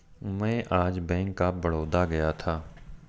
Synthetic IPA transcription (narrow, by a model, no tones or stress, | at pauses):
mɛ̃ʔaːd͡ʒbɛ̃ːŋkːabəɽ̤oːd̪aɡɐjat̪ʰaː